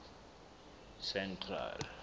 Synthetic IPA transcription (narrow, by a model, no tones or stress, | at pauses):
sɛntʰra̰l